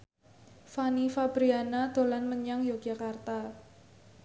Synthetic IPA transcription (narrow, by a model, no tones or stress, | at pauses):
fanifab̥ɾianad̪̥o̤lanməɲaŋjoɡ̥a̤kart̪a